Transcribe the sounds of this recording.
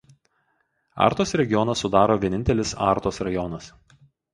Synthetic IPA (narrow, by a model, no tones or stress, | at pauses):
ɑ̰ːˑɾt̪oːsɾʲɛɡʲɪjɔnɐsʊd̪ɑːɾoːʋʲiɛɪnʲt̪ʲɛlʲɪsɑ̰ːˑɾt̪oːsɾɐjɔnɐs